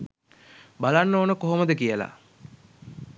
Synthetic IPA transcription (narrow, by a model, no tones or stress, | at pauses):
balanːoːnəkoɦoməd̪əkijəla̰